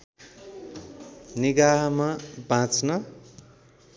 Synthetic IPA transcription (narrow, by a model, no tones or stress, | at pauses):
niɡaɦʌmabãt͡snʌ